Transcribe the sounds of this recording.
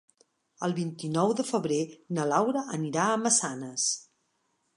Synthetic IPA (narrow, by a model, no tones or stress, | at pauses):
əlˠβint̪inɔwðəfəβɾenəlawɾəʔəniɾaəməsanəs